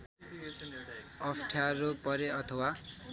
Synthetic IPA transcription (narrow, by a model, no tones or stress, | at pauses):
ʌpʈʰjaɾopʌɾeʌt̪ʰʌwa